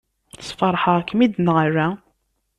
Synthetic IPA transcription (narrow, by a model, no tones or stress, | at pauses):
sˤfɑɾˤħɑkːmid̪nəɾæ